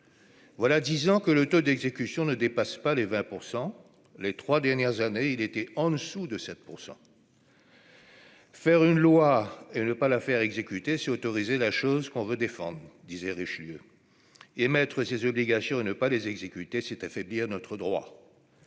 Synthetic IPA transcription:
vwalad̪izɑ̃kələt̪od̪ɛɡzekʲysjɔ̃nəd̪epaspalevɛ̃puʁsɑ̃ | let̪χwad̪ɛʁnjɛʁzaneilet̪ɛɑ̃d̪əsud̪əsɛt̪̚puʁsɑ̰̃ | fɛʁynlwaenəpalafɛʁɛɡzekʲyt̪esɛot̪ɔʁizelaʃozkɔ̃vød̪efɑ̰̃d̪ʁd̪izɛʁiʃljø | emɛt̪χəsezɔbliɡasjɔ̃anəpalezɛɡzekʲyt̪esɛt̪afɛbliʁnɔt̪χəd̪ʁwa̰

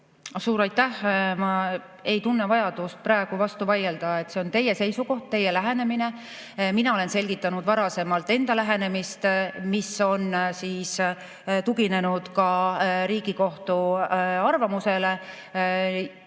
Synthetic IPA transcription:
suːɾɑjt̪ːˑæhmɑ | e̞jt̪unːevɑjɑd̪̥ust̪̚prɑeɡ̥uvɑst̪uvɑje̞ld̪̥ɑe̞t̪ːˑse̞o̞nt̪e̞je̞se̞jsuko̞ht̪̚t̪ːe̞jelæɦe̞ne̞mine̞ | minɑo̞le̞nse̞lʲɡ̥it̪ːˑɑnud̪vɑɾɑse̞mɑlt̪ːˑe̞nd̪̥ɑlæɦene̞mist̪miso̞nsiːs | t̪uɡine̞nud̪̥kɑɾiːɡ̥iko̞ht̪uɑrvɑmuse̞le̞

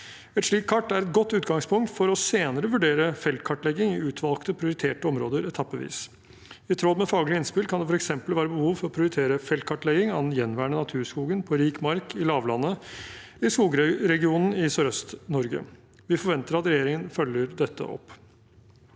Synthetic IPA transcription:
ɛt̪ʂɭiːkʰːɑʈːæɾɛt̪̚ɡɔt̪ːʉːt̪ɡɑŋspʰʊŋk̚t̪fɔɾɔseːnəɾəʋʉɖeːɾəfɛlt̪̚kʰɑʈlɛɡɪŋɪʉːt̪ʰʋɑlˠkt̪əpʰɾɪʊɾɪt̪ʰeːʈəɔmɾoːd̪əɾɛt̪ʰɑpːɔʋḭːs | ɪt̪ʰɾɔd̪mɛfɑːɡlɪɪnspɪlkʰɑnd̪ɛfɔɾɛksɛmpəlʋæːɾəbəhuːʋfɔɾɔpʰɾɪʊɾɪt̪ʰeːɾəfɛlt̪̚kʰɑʈːlɛɡɪŋɑn̩jɛnʋæːɳənɑt̪ʰʉːɾʂkuːɡənpʰɔɾiːkmɑɾkʰɪlɑːʋlɑnːə | ɪskuːɡɾɾɛɡɪuːnn̩ɪsøɾœst̪nɔɾɡə̰ | ʋɪfɔɾʋɛnt̪əɾɑt̪ɾɛjeːɾɪŋənfœljəɾd̪ɛt̪ʰːə̰ʔɔ̰pː

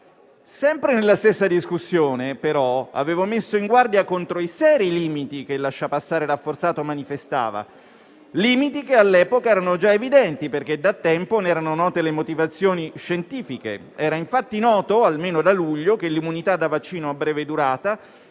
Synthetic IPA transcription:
sɛmpɾenelːast̪esːad̪iskusːjoːnepeɾɔa̰veːvomesːoiŋɡward̪jakont̪ɾoisɛːɾiliːmit̪ikelːaʃːapasːaːɾeɾafːort̪saːt̪omanifest̪a̰ːva̰ | liːmit̪ikealːɛːpokaɛːɾanod͡ʒaevid̪ɛnt̪iperk̟ed̪at̪ːɛmponɛːɾanonɔːt̪elemot̪ivat̪sːjoːniʃent̪iːfikḛ | ɛːɾaiɱfat̪ːinɔːt̪oalmeːnod̪aluʎːokelːimunit̪ad̪avat͡ʃːiːnoabːɾɛːved̪uɾaːt̪a

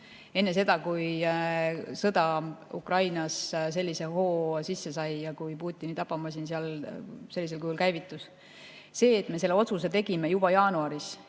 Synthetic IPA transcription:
e̞nːe̞s̬e̞d̪̥ɑkuj | sɤd̪̥ɑṵkrɑjnɑsse̞lːise̞ɦo̞ːsisːe̞sɑjjɑkujpuːt̪ʲˑːinit̪ɑpːˑɑmɑsinseɑlse̞lʲːis̬e̞lkujulkæjvit̪ːˑus | se̞ːt̪ˑme̞se̞lːeo̞t̪suse̞t̪e̞ɡime̞jub̥ɑjɑːnuɑɾis

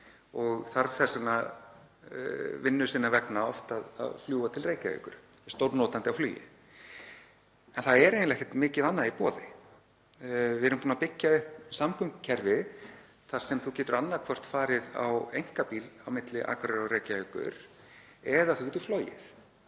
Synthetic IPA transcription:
ɔɣθaɾθɛsana | vɪnːʏsɪnːavɛknaɔ̰ft̪aða̰ðfljuːat̪ʰɪlreːjcaḛkʏ̰ɾ̥ | st̪owɾnɔːt̪ant̪ɪawflyːjɪ̰ | ɛnθaðɛɾejnlɛhkt̪mɪːcɪðanːaipɔːðɪ | vɪɛɾʏmpʰuːnapɪcːaʏhpsamkʰʏmkcʰɛɾvɪ | θḁsɛmθuwcɛːt̪ʏɾanːakʰvɔr̥t̪faːɾɪða̰wejŋ̥kapiːlawmɪt̪lɪʔa̰ːkʰvɪɾaɾaɾeːjcaeːkʏ̰ɾ̥ɛðaθu̥wcɛt̪ʏ̥floːjɪ̰θ

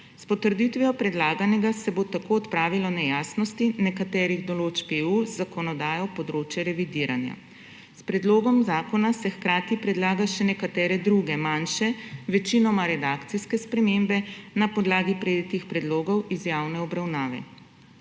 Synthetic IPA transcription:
spɔt̪əɾd̪it̪ʋijɔpɾɛd̪laːɡanɛɡasɛbot̪akoːɔt̪pɾaːʋilɔnɛjaːsnɔst̪inɛkat̪ɛːɾiɣd̪ɔloːt͡ʃkeːuzːakɔnɔd̪aːjɔpɔd̪ɾoːt͡ʃjɛɾɛʋid̪iːɾa̰nja̰ | spɾɛd̪loːɡɔmzaːkɔnasɛxkɾaːt̪ipɾɛd̪laːɡaʃɛnɛkat̪ɛːɾɛd̪ɾuɡɛmanʃɛʋɛt͡ʃinɔmaɾɛd̪aːkt̪siskɛspɾɛmembɛnapɔd̪laːɡipɾɛd̪it̪ixpɾɛd̪loːɡɔwʔizjawnɛɔbɾawnaːʋɛ̰

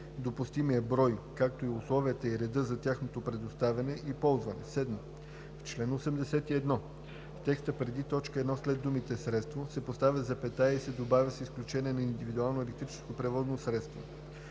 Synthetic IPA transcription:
d̪opʊst̪imijəbɾɔjkak̚t̪oiʊslˠɔviət̪əiɾɛd̪ɤzɐt̪ʲjaxnot̪opɾɛd̪ost̪avʲɐnɛʔipɔlˠzvɐnɛ̰sɛd̪mə | ft͡ʃlɛnosɛmd̪ɛsɛt̪iɛd̪nɔ | ft̪ɛkst̪əpɾɛd̪it̪ɔt͡ʃkəɛd̪nɔslɛd̪ːumit̪ɛsɾɛt̪st̪vosɛpost̪avʲəzɐpɛt̪aisɛd̪obavʲəsɛisklʲut͡ʃɛniɛnɐind̪ivid̪ualˠnoɛlɛk̚t̪ɾit͡ʃɛ̥skopɾɛvɔznosɾɛt̪st̪vo̰

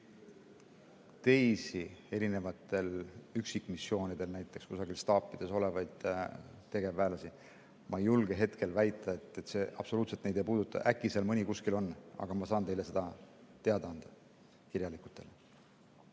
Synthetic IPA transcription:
t̪e̞jsie̞ɾine̞vɑt̪ːˑe̞lyksikːˑmisːjo̞ːnid̪̥e̞lnæjt̪ːˑe̞kskusɑɡ̥ilst̪ɑːpːˑid̪̥e̞so̞le̞vɑjd̪̥t̪e̞ɡ̥e̞væːlɑsi | mʔɑejːulɡ̥e̞ɦe̞t̪ke̞lvæjt̪ːˑɑe̞t̪ːˑet̪se̞ʔɑ̰b̥so̞luːt̪se̞t̪nejd̪ejpuːd̪̥ut̪ːˑɑ̰ʔækːˑiselmɯnʲikuskilo̞nːɑ̰ɡ̥ɑmɑsɑːnt̪e̞jle̞sed̪̥ɑt̪eɑd̪̥ɑɑnd̪̥ɑ | kiɾjɑliku̥t̪ːˑe̞le

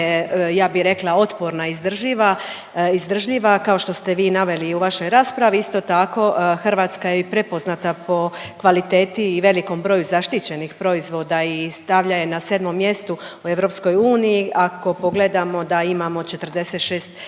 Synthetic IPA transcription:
ejaːbiɾe̞klˠao̞t̪poɾnaizd̪r̩ʒiʋa | izd̪r̩ʒʎiʋakao̞ʃt̪o̞st̪e̞ʋiːnaʋe̞liuʋaʃo̞jɾaːspɾaʋiist̪o̞t̪ako̞xrʋaːt̪skajepɾe̞po̞znat̪apo̞kʋalit̪e̞ːt̪iːʋe̞liko̞mbɾo̞ːjuzaʃt̪it͡ɕe̞nixpɾo̞izʋo̞ːd̪aist̪aʋʎaje̞nase̞ːd̪mo̞mːje̞st̪uue̞ʋɾo̞psko̞juːnijiʔako̞po̞ɡle̞d̪amo̞d̪aimamo̞t͡ʃe̞t̪r̩d̪e̞set̪ʃeːst̪

